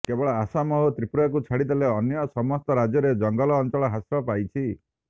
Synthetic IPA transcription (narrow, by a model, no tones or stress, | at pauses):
kebɔɭaasamɔɦot̪ɾipuɾakut͡ʃʰaɽid̪eleɔnjɔsɔmɔst̪ɔɾad͡ʒjɔɾed͡ʒɔŋɡɔlɔːnt͡ʃɔɭɔɦasɾɔpajt͡ʃʰi